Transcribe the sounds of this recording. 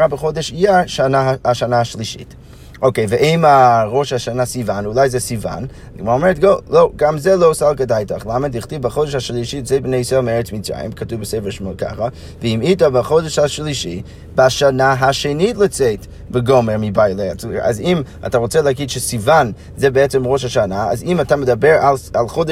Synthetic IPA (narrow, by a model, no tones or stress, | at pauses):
ʁabəχodɛʃiaʃanaaʃanaaʃliʃḭt | ʔoʊkeɪvəʔeɪmaʁoʃhaʃanasivanulˠajzɛsiva̰n | ɡəmoʁaomɛʁətɡoloɡamzɛlˠoʊsalˠkədajtaχlˠamədiχtivbaχodɛʃhaʃlˠiʃitzebnejsɔmɛʁət͡smit͡sʁa̰jɪ̰mkʰatuvbəseɪfɛʁʃmokʰa̰χa | vəimitabaχodɛʃhaʃlˠiʃḭ | bɪaʃanaɦaʃenitlˠət͡sɛt | bəɡomɛʁmibajlˠeat͡suia̰zima̰tʰaʁot͡sɛlˠɛaɡidʃəsivan | zɛbəɛt͡sɛmʁoʃhaʃanaa̰zimatʰamədabɛɾalalˠχod